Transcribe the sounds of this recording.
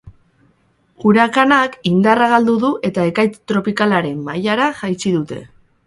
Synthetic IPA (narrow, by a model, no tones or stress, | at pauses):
ɣ̥uɾakanakind̪araɣald̪uðuʔe̞t̪ae̞kajt͡st̪ɾo̞pikalaɾe̞mːajaɾaʝajt͡ʃiðut̪e̞̰